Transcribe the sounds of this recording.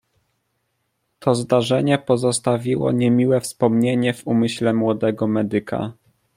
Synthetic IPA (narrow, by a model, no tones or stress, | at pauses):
t̪ʰɔzd̪aʐɛɲɛpɔzɔst̪avʲiwɔ̰ɲɛmʲiwɛfspɔmɲeɲɛvumɘɕlɛmwɔd̪ɛɡɔmɛd̪ɘkʰa̰